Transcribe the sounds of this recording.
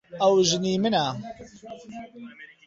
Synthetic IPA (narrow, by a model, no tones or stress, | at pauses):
awʒniːməna